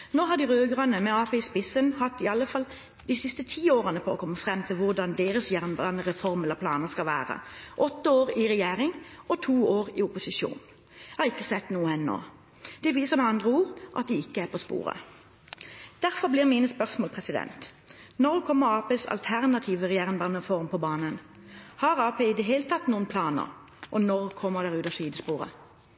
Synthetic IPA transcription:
noːɦɑʁd̪ɪʁøːɡʁɑnəmɛɑːpʰeːɪspɪsənhɑt̪ːɪɑlːəfɑl | d̪̥isɪst̪ət̪ʰiːoːʁənəpʰɔɔ̰kʰɔmːəfʁɛmːt̪ʰɪlʋʊʁd̪ɑnd̪eːʁəsjæʁmbɑnəʁɛfɔʁmɛlːəʁpʰlɑ̰ːnəʁskɑlʋæ̰ːʁə̰ʔɔt̪ːəoːʁɪʁɛjeːʁɪŋɔt̪ʰuːoːʁɪʊpʊsɪʃṵːn | ɑɪkːəsɛt̪ːnuːəɛnːo̰ː | d̪̥ɛʋiːsəʁmɛɑnd̪ʁəuːʁʔɑ̰t̪̚d̪ɪɪkːəæʁpʰɔspṵːʁə̰ | d̪̥æʁfɔblɪʁmiːnəspœʁsmoɔːlpʰʁɛsɪd̪ɛ̰nt̪ | nɔʁkʰɔmːəɾɑːpeːsɑ̰lt̪ʰæʁnɑt̪ʰiːʋəʁɛjeːʁɪŋbɑnəfɔʁmpʰɔbɑːnən | hɑʁɑːpʰeːɪd̪əɦeːlət̪ʰɑt̪nuːənpʰlɑːnə̰ʁ | ʔɔnɔʁkʰɔmːəʁd̪æʁʉːt̪ɑʂiːd̪əspuːʁə̰

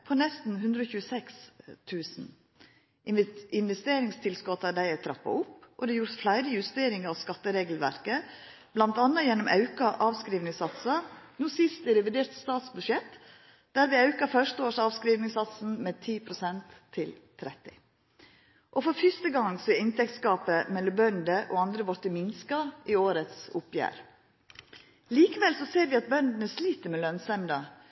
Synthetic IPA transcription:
pʰɔnɛst̪n̩ɦʉnd̪ɾɔːçʉːəsɛkst̪ʰʉːsn̩ | ʔɪɪnʋɛst̪eːɾɪŋst̪ʰɪlskɔt̪ːɑd̪æɪæt̪ʰɾɑpːɑ̰ʊpːʔɔd̪ɛjuːɾt̪flæɪɾəjʉst̪eːɾɪŋɑʋskɑt̪ːəɾeːɡlʋæ̰ɾkə | blɑnt̪ɑnːɑjɛnːɔmʔɑʉkɑʔɑːʋskɾiːʋnɪŋsɑt̪sɑnuːsɪst̪ɛɾɛʋɪd̪eːɾt̪st̪ɑːt̪sbʉʂɛt̪ː | d̪̥æːɾʋɪɑʉkɑɾfœʂt̪əoːʂɑːʋskɾiːʋnɪŋsɑt̪sn̩meːt̪ʰiːpʰɾʊsɛnt̪ʰːɪlt̪ʰɾɛt̪ːɪ | ʔɔfɔɾfɪst̪əɡɑŋsɔɛɪnt̪ʰɛk̚t̪skɑːpəmɛlːɔbœnd̪əʔo̰ːɑnd̪ɾəʋɔɾt̪əmɪnskɑʔɪoːɾət̪sʊpjæ̰ːɾ | liːkəʋɛlsɔseːɾʋɪɑt̪̚bœnd̪ənəsliːt̪əɾmɛlœnsɛmd̪ɑ

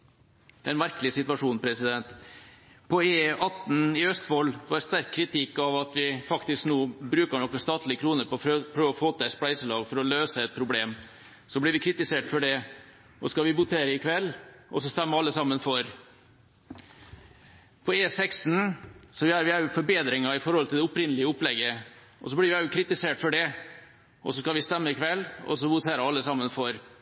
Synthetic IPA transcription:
d̪ɛnmæɾkəlɪsɪt̪ʋɑʂuːnnpʰɾɛsɪd̪ɛnt̪ | pʰɔeːɑt̪nɪœst̪ʋɔlːʋɑɾst̪æɾkʰːɾɪt̪ʰɪkːɑʋɑt̪ʋɪfɑkt̪ɪsknuːbɾʉːkəɳɔkːəst̪ɑːt̪ʰlɪəkʰɾuːnəpʰɔɔpʰɾøːʋɔfoːt̪æsplæɪsəlɑːɡfɔɾɔløːsəɛt̪̚pʰɾʊbleːm | sɔblɪɾʋɪkʰɾɪt̪ɪseːʈfɔɖɛ | ʔɔskɑʋɪbʊt̪ʰeːɾəɪkʰʋɛlːʔɔ̰sɔst̪ɛmːəɑlːəsɑmːənfɔɾ | pʰɔeːsɛksnsɔʋɪæɾʋɪæɾjʊfɔɾbeːd̪ɾɪŋɑɪfɔɾhɔlt̪ɪld̪ɛʊpɾɪnːəlɪəʊplɛɡːə | ʔɔ̰sɔblɪɾʋɪæjʊkʰɾɪt̪ɪseːʈfɔɖɛ | ʔɔ̰sɔskɑʋɪst̪ɛmːəɪkʰʋɛlːɔ̰sɔʋʊt̪ʰeːɾəɑlːəsɑmːənfɔɾ

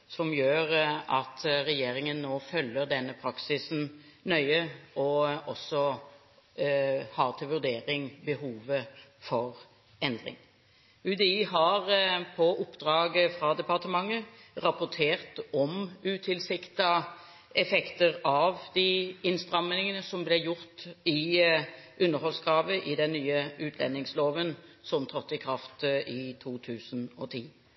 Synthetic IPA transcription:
sɔmjøːʁɑt̪ʰɾɛjeːɾɪŋənːoːfœlːəɾd̪ɛnːəpʰɾɑksɪsn̩nœʏəɔɔsːɔ | hɑːʁt̪ʰɪlʋʉɾd̪eːɾɪŋbəɦuːʋəfɔʁ | ɛnd̪ʁɪ̰ŋ | ʉd̪ɛiːɦɑʁpʰɔʔʊpːd̪̥ɾɑːɡəfɾɑd̪ɛpɑʁt̪əmɑŋːəʁɑpʊt̪ʰeːʁt̪ɔmʉːt̪ʰɪlsɪkt̪ɑ | ɛfɛkt̪əʁɑʋd̪̥ɪɪnst̪ʁɑmənɪŋənəsɔmblɛjʊʁt̪ɪ | ʔʉnːəɾhɔlskʰʁɑːʋəʔɪd̪ɛnːyːəʉːt̪ʰlɛ̰nːɪŋsloːʋənsɔmt̪ʰʁɔt̪ːɪkʰʁɑft̪ɪt̪ʰuːt̪ʰʉːsnɔt̪ʰiː

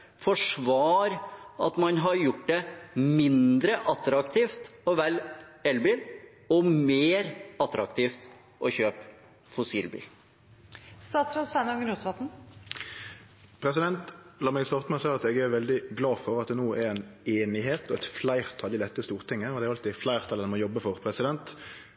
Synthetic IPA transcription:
fɔʂʋɑːɾɑ̰t̪mɑnɦɑɾjʊʈːd̪ɛmɪnd̪ɾəʔɑt̪ɾɑkt̪ʰiːft̪ɔʋɛlɛlbin | ɔmeːɾɑt̪ɾɑ̰kt̪ʰiːft̪ | ʔɔçøːp | fʊsḭːlbḭːl | st̪ɑːt̪sɾɑsʋænɔŋənuːt̪ʋɑt̪n̩ | pʰɾɛsɪd̪ɛnt̪lɑːmɛɡst̪ɑːʁt̪əmɛsæɪɑt̪ɛɡɛɾʋɛld̪ɪɡlɑːfɔʁɑt̪̚d̪ɛnuːʔæɾɛneːnɪɦeːt̪ɔɛt̪flæɪʁt̪ʰɑlɪlɛt̪ːəst̪uːʁt̪ʰɪŋːəɔd̪ɛæɾɑlt̪ɪflæɪʁt̪ʰɑld̪ɛnmɔjɔbːəfɔʁpʰɾɛsɪd̪ɛnt̪

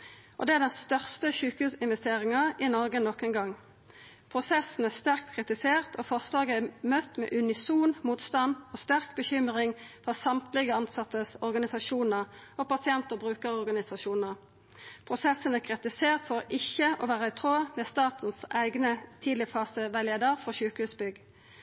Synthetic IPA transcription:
ʔɔ̰d̪ɛæʁd̪ɛnst̪œʁst̪əʃʉːkəhʉːsɪnʋɛst̪eːʁɪŋɑɪnɔʁɡənɔkɛnɡɑŋː | pʰʁʊsɛsn̩æʁst̪æʁk̚t̪kʰʁɪt̪ɪseːʁt̪ʰɔːfɔʁslɑːɡəæmœt̪ːmɛ̰ːʔʉnɪsuːnmuːt̪st̪ɑnɔst̪æʁkbəçʏmʁɪŋfɔʁsɑmt̪lɪɡəɑnsɑt̪ːəsɔʁɡɑnɪsɑʃuːnəʁoːpɑsɪɛnt̪əʁbʁʉːkəʁɔʁɡɑnɪsɑʃuːnəʁ | pʰʁʊsɛsənækʰʁɪt̪ɪseːʁt̪fɔʁɪçəʔoːʋæːʁəæɪt̪ʰʁoːəmɛːst̪ɑːt̪n̩sæɪɡnət̪ʰiːd̪lɪəfɑːsəʋæɪleːd̪əʁfɔɕçʉːkəhʉːsbʏɡ

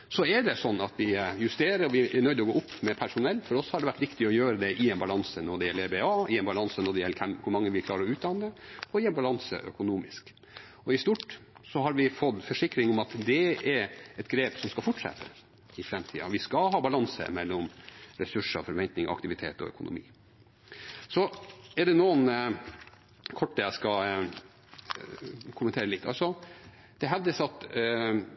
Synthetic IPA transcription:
sɔɛɖɛsɔnːɑt̪ʋɪjʉst̪eːɾəɾɔʋɪʔɛɳœʏd̪əɔɡoːʊpːmɛpʰæʂʊnɛlːfɔɾɔshɑɖɛʋæʈːʋɪkt̪ɪɔjøːɾəd̪ɛʔɪɛnbɑlɑnsənɔɖɛjɛlːeːbeːɑːɪɛnbɑlɑnsənɔɖɛjɛlːəkʰɛmkʰʊɾmɑŋːəʋɪlkʰlɑːɾəɔʉːt̪d̪ɑnːəɔɪɛnbɑlɑnsə̰ʔœ̰kʊnuːmɪsk | ɔɪst̪uʈsɔɦɑɾʋɪfɔd̪fɔʂɪkːɾɪŋɔmɑt̪d̪ɛɛɾɛt̪ɡɾeːpsɔmskɑfʊʈʂɛ̰t̪ːə | ɪfɾɛmt̪ʰḭːɑ̰ʋɪskɑɦɑːbɑlɑnsə̰mɛlːɔmɾɛsʉʂɑ̰fɔɾʋɛnt̪nɪŋɑ̰kt̪ɪʋɪt̪ʰḛːt̪ɔ̰œ̰kʊnʔʊ̰mḭː | sɔɛɖɛnuːən | kʰɔʈːd̪ɛjæɪskɑ | kʰʊmənt̪eːɾəlɪt̪ːʰɑ̰lsɔ | d̪̥ɛɦɛʋd̪əsɑt̪

